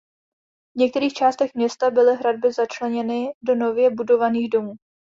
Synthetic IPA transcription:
vɲɛk̚t̪ɛɾiːxt͡ʃaːst̪ɛxmɲɛst̪abɪlɪɦɾad̚bɪzat͡ʃlɛɲɛnɪdo̞no̞vjɛbudo̞vaniːɣdo̞muː

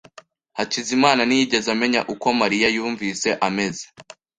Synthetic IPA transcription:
hacizimaːnanijiɟe̞zame̞ɲa̰ʔuko̞maɾijajuːɱviːse̞ʔame̞ze̥

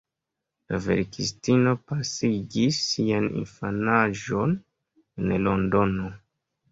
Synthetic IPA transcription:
lave̞̰ɾkistino̞pasiɡisːianḭnfanaʒo̞n | enlo̞ndo̞no

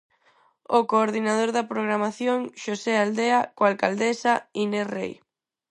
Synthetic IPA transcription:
okoːɾðinaðoɾðɐpɾoɣɾamaθjoŋʃoseald̪eakoalkald̪esainerḛj

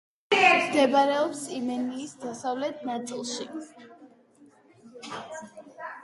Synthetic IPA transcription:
md̪ɛbaɾɛɔpsimɛniisd̪asavlɛt̪̚ʰnat̪sʼilˠʃi

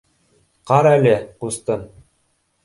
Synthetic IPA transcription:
qɑɾælɘqust̪ɤn

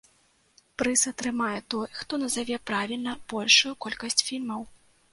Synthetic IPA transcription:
pɾɨsɐt̪ɾɨmajɛt̪ɔjxt̪ɔnɐzavʲɛpɾavʲilʲnɐb̥ɔlʲʂujukɔlʲkɐsʲt͡sʲfʲilʲmɐw

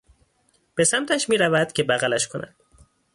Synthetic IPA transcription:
b̥e̞sæmt̪ʰæʃmiːɾævæd̪̥cʰe̞bæɣælæʃkʰonæ̰d̪̥̚

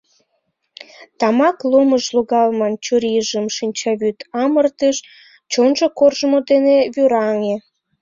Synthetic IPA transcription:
t̪ɑmɑkloməʃloɣɑlmɑnt͡ɕuɾiəʒəmʃinʲt͡ɕɑβyt̪ɑmərt̪əʃ | t͡ɕonʒokorʒəmod̪eneβyɾɑŋe

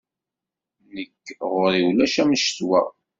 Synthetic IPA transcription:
nəkːʁʊɾiwlæʃæmʃt̪wæ̰

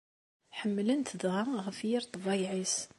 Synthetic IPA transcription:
ħəmːələnt̪ʰəd̪ʁaɣfiɾt̪ˤɑbɑjʕis

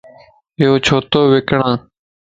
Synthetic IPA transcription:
ɪjoːt͡ʃʰoːt̪oːʋɪkɳãː

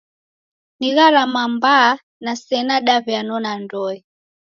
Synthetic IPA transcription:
niɣaɾamambaː | nasɛnaɗavjanɔnandɔɛ

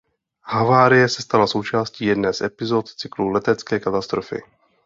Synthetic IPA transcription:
havaːɾɪjɛsɛ̥st̪alaso̞wt͡ʃaːsciːjɛdnɛːsʔɛpɪzot̪t͡sɪklulɛt̪ɛt͡skɛːkat̪ast̪ɾofɪ̰

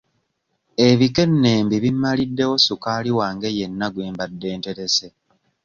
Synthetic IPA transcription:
e̞βike̞nːe̞ːmbiβimːalidːe̞wo̞sukaːliwaːŋɡe̞jenːaɡweːmbadːe̞ːnte̞ɾe̞se̞

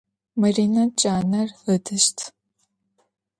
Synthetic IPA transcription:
mɐriːnɐt͡ʃʼaːnɐrədʰɨʃtʰ

